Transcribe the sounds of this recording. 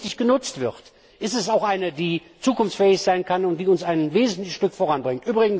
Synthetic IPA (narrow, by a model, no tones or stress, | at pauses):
tɪçɡ̥ənʊt͡stv̥ɪʁt | ʔɪstɛsaʊxʔaɪnədiː | t͡suːkʊnft͡sfɛːɪçz̥aɪnkʰanʊntd̥iːʊnsaɪnveːzn̩tlɪçəʃtʏkfoʁanbʁɪŋtʔyːbʁɪɡŋ̩